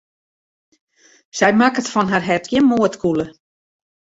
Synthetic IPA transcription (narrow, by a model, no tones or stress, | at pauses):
sɛjmakətfɔnɦarɦɛtɡjɪnmoətkʰulə